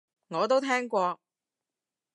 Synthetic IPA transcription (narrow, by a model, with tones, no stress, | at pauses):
ŋɔː˨˧t̪o˥wt̪ʰɛː˥ŋkʷɔː˧